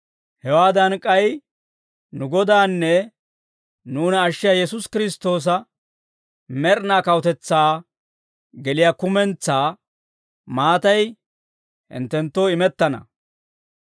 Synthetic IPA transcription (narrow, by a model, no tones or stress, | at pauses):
hɛwaːd̪ɐnkʼːɐj | nʊɡɔd̪aːnːɛ | nuːnɐʃːɪjajɛs̬ʊskɪɾɪst̪ːo̞ːs̬ɐ | mɛɾnaːkɐwɔt̪ɛt͡sːaː | ɡɛlɪjakʊmɛnt͡sːaː | maːt̪ɐj | hɪ̰nt̪ːɛnt̪ːoːɪmɛt̪ːɐnɐ̰